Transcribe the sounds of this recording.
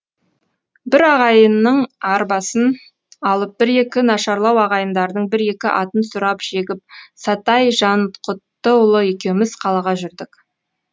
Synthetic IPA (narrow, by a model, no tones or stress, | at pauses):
bɪɾɑʁɑjənːəɴɑɾbɑsən | ɑlˠəp̚bɪɾe̞kʲɪnɑʃɑɾlˠɑwɑʁɑjənd̪ɑɾd̪əɴbɪɾe̞kʲɪʔɑt̪ənsʊɾɑpʒ̥e̞ɡʲɪp̚sɑt̪ɑjʒɑnqʰʊt̪ːəwʊlˠəe̞kʲe̞wmɪz̥qʰɑlˠɑʁɑʒʏɾd̪ɪk